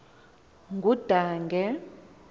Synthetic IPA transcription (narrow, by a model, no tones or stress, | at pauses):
ŋɡud̥ʱaːŋɡʱɛ